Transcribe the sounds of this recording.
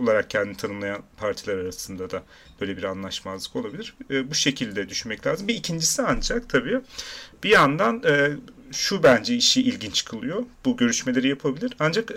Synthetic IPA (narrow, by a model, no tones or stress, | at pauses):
olˠaɾak̚cʰɛnd̪init̪ʰanɯmlˠajanpʰaɾt̪ʰilʲˠaɾaɾasɯnd̪ad̪a | b̥ø̞jlʲebiɾanlˠaʃmazlˠɯ̥ko̞lˠabilʲiɾbuʃe̞cʰilʲd̪ɛd̪yʃynmɛclʲaːzɯmbiːcʰind͡ʒisiand͡ʒakt̪ʰabiːb̥ijand̪anɛːʃubænd͡ʒɛiʃiʔilʲɟint͡ʃʰkʰɯlˠɯjo̞b̥uɟø̞ɾyʃme̞lʲe̞ɾijapʰabilʲiɾand͡ʒak